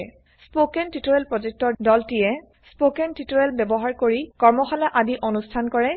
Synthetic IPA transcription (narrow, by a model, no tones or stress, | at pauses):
spokɛntitoɹɛlpɹɔzek̚tɔɹdɔltijɛ | spokɛntitoɹɛlbɛbɔɦaɹkoɹikɔɹmɔxalaʔadiʔonustʰankɔɹɛ